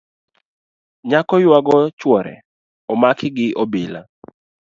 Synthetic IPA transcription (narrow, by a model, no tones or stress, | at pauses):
ɲakɔjwaɡɔt͡ʃwɔɾɛ̰ | ɔmakɪɡɪʔɔbila